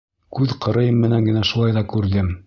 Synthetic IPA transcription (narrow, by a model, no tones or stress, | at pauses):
kʉðqɤ̆ɾɤ̆jɤmːɘ̆næŋɡɘ̆næʃulˠɑjðɑkʉɾðɘm